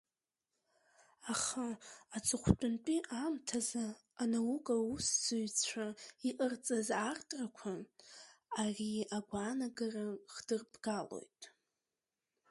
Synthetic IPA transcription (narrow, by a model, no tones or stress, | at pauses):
aχaat͡sʼɨχʷtʷʼʊnt͡pʷʼiʔamtʰazaː | nawukʼausz̥ɨɥt͡sʷʰaiʔərt͡sʼazartʼrakʷʰa | ariaɡʷaːnaɡaraχdɨrbɡalo̞̰jtʼ